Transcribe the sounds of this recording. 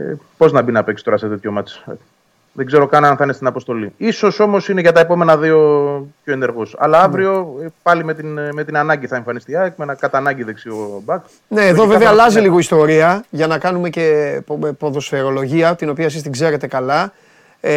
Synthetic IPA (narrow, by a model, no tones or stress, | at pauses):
ḛpo̞znɐbinɐpeksi̥t̪o̞ɾɐset̪et̪çomɐt͡s | ðeɡze̞ɾo̞kɐnɐnθɐnest̪inɐpo̞st̪o̞liiso̞so̞mo̞sine̞ʝɐt̪ɐepo̞me̞nɐðio̞pço̞ene̞ɾɣosɐ̰lɐɐvɾio̞pɐlimet̪inme̞t̪inɐnɐɲɟiθɐeɱfɐnist̪iɐekmenɐkɐt̪ɐnɐɟiðeksiobɐk | ne̞ːððoveveɐːlɐziliɣo̞ist̪o̞ɾiɐʝɐnɐkɐnume̞ce̞po̞ðo̞sfe̞ɾo̞lo̞ʝiɐt̪ino̞piɐesist̪iɡze̞ɾe̞t̪e̞kɐlɐ